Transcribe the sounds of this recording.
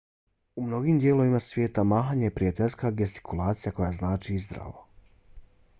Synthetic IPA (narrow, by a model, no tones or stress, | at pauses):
umno̞ɡiːmd̪je̞ːlˠo̞ʋimasʋje̞ːt̪amaːɦaɲejepɾijat̪eʎskaɡest̪i̥kʰulˠaːt̪sijako̞jaznaːt͡ʃiizd̪ɾa̰ʋo̰